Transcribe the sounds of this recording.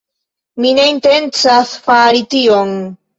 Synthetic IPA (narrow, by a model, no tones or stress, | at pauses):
mine̞inte̞nt͡sasfaɾition